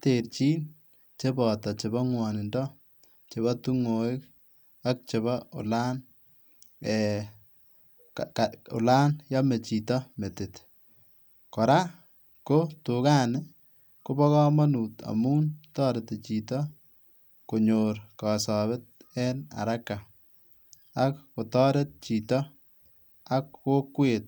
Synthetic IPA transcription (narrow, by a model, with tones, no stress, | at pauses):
te˨ɾt͡ʃiː˦n | t͡ʃe˦bɔ˨tɔ˨t͡ʃe˨βɔ˦ŋwɔ˨nɪ˨ndɔ˦ | t͡ʃe˨βɔ˦tu˦ŋoː˨ɪ˦k | a˦k̚t͡ʃe˨βɔ˦ʊ̰˨la˦n | ɛ | kkʊ̰˨la˦njɔ˦me˨t͡ʃi˨tɔ˦me˨tɪ˨t | kɔ˨ɾa˦ | ko˦tʊka˦nɪ | kʊ˦bɔ˦kɔ˦ma˦nuː˨ta̰˨mu˦ntɔː˦ɾete˨t͡ʃi˨tɔ˦ | ko˨ɲoɾkɑ˨sɔ˨βɛ˦t̚ɛ˦na̰˨ɾa˦kːa˨ | a˦kːʊ˨tɔː˦ɾet̚t͡ʃi˨tɔ˦ | a˦kwo˦kːweːt̚